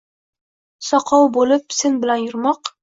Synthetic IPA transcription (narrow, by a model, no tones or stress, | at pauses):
sɒqʰɑwbolɪp̚senbɪlanjʊɾmɒq